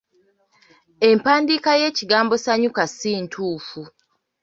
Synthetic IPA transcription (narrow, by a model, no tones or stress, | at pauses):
e̞mpaːndikaje̞ːciɡaːmbo̞saɲukasiːntʰuːfu